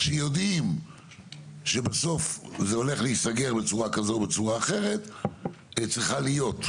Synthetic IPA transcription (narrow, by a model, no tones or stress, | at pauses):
ʃejo̞d̪im | ʃebaso̞fzeo̞le̞χleisaɡe̞ʁbet͡suʁakazo̞be̞t͡suʁaːχe̞ʁe̞t | et͡sʁiχalijo̞t̪